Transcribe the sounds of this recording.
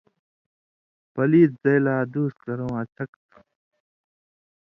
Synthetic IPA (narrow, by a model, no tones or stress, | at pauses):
pɐliːt̪̚zɐjlaːd̪uːst̪kɐɾõːɐt͡ɕʰɐkt̪